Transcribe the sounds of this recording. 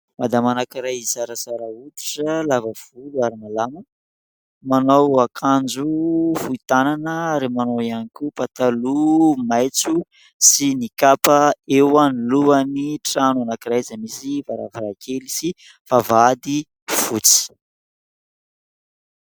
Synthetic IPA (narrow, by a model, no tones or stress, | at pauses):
mad̪amanakiɾajisaɾasaɾaut̪i̥ʈ͡ʂəlavəv̥uluaɾinalamə | manowakʰand͡ʒuvuit̪ananəaɾimanoianikupat̪alumajt͡su | sinikapaewaniluaniʈ͡ʂanuanakiɾajzəmisivaɾa̰vaɾakʰelisi | favad̪i | v̥ut͡si̥